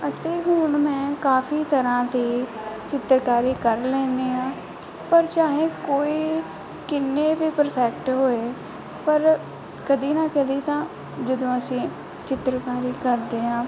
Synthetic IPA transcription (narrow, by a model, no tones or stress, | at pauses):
ət̪eːɦʊːɳmɛ̃ːkaːfʰiːt̪əɾãːt̪iː | t͡ʃɪt̪ɾkaːɾiːkəɾlɛ̃ːnd̪iːãː | pəɾt͡ʃaːɦẽːkoːiː | kɪnːeːʋiːpəɾpʰɛːk̚ʈɦoːeː | pəɾ | kəd̪iːnaːkəd̪iːt̪ãː | d͡ʒəd̪õːəsĩː | t͡ʃɪt̪ɾkaːɾiːkəɾd̪eːɦãː